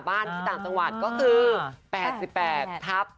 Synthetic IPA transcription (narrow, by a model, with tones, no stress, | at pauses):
baː˥˩nt̪ʰiː˥˩t̪aː˨˩mt͡ɕa˧ŋwa˨˩t̪̚kɔː˥˩kʰɯː˧pɛː˨˩t̪̚si˨˩pːɛː˨˩t̪ʰːa˦˥p̚